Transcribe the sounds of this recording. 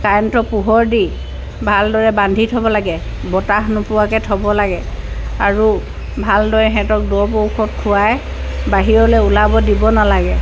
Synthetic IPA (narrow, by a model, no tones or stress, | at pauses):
kajɔntɔpuɦɔɹdi | bʱaldɔɹɛbandʱitʰɔbɔlaɡɛ | bɔtaxnʊpʊwakɛtʰɔbɔlaɡɛ | aɹu | bʱaldɔɹɛɦɛ̃tɔk̚dɔɹpowkʰɔt̚kʰʊaj | baɦiɹɔlɛulabɔdibɔnalaɡɛ